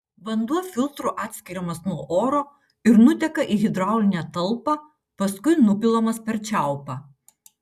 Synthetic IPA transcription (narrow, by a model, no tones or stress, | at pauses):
ʋɐnd̪uɔfʲɪlˠt̪ɾʊʔɑːt̪ʲsʲkʲɪɾʲɛmɐsnuɔʔoːɾoː | ɪɾnʊt̪ʲɛkɐʔiːɣʲɪd̪ɾɑˑʊlʲɪnʲɛt̪ɐlˠpɐ | pɐskʊɪnʊpʲɪlˠomɐspʲɛɾʲt͡ʃʲæˑʊpɑː